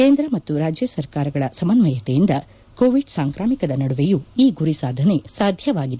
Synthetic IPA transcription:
keːnd̪ɾɐmɐt̪ːuɾaːd͡ʒjɐsɐɾkaːɾɐɡɐɭɐsɐmɐnmɐjɐt̪ejind̪ɐ | koːʋiɖsaːŋkɾaːmikɐd̪ɐnɐɽuʋejuiːɡuɾisaːd̪ʱɐne̞saːd̪ʱjɐʋaːɡid̪e

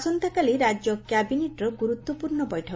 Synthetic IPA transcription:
sɔnt̪ɔkaliɾad͡ʒjɔkjabineʈɾɔɡuɾut̪ːɔpuɾɳɔbɔjʈʰɔ

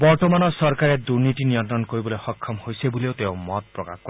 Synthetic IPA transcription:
bɔɾt̪ɔmanɔsɔɾkaɾed̪uɾnit̪iniɔnt̪ɾɔnkoɾibɔlehɔkʰːɔmhojsebuleot̪ewmɔt̪̚pɾɔka̰kkɔ

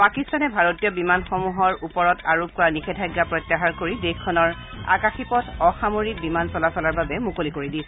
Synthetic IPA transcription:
pakistanɛbʱaɹotijɔbimanxɔmuɦɔɹupɔɹɔtaɹop̚kɔɹanixʰɛdʰʱajɡːapɹɔjtːaɦaɹkoɹidexkʰːɔnɔɹ | a̰kaxipɔtɔxamoɹik̚bimansɔlasɔlaɹbabɛmukolikoɹidisɛ

